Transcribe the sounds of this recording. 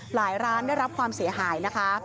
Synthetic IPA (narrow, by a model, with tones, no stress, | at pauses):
laː˩˦jɾaː˦˥nda˥˩jɾa˦˥p̚kʰwaː˧msi˩˦ɐɦaː˩˦jna˦˥kʰa˦˥